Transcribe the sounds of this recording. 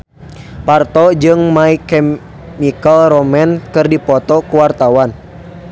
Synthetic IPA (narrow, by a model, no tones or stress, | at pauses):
part̪ɔd͡ʒɨŋmaikɛ | mikəlɾɔmɛnkɨrdipɔt̪ɔkuwart̪awan